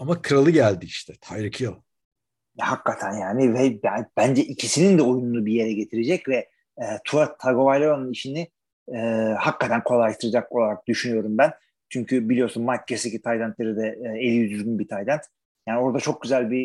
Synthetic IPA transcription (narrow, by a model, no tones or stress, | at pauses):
amakʰɯɾalˠɯɟælʲd̪iiʃt̪ʰɛt̪ʰajɾɯkʰɯjo | jɛhakːat̪ʰænjaːnivɛbab̥ænd͡ʒɛʔicʰisinind̪ɛo̞jununubije̞ɾɛɟe̞t̪ʰiɾed͡ʒɛcvɛː | t̪ʰuat̪ʰːaɡo̞vajlʲˠoɾanɯniʃini | ɛːhakːat̪ʰænkʰo̞lˠajaʃt̪ʰɯɾad͡ʒako̞lˠaɾak̚d̪yʃynyjo̞ɾumbæn | t͡ʃʰyɲcʰybilʲijo̞ɾsunmaɾc̚ɟesecit̪ʰajd̪ʲænt̪lʲe̞ɾid̪ɛelʲːijyzyɾɟynbit̪ʰajd̪ænt̪ | jaːnio̞ɾd̪at͡ʃʰo̞k̚ɟyzælʲbi